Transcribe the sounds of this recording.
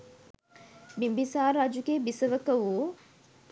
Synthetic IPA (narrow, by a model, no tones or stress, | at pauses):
bimbisaːɾad͡ʒukebisəʋəkəʋu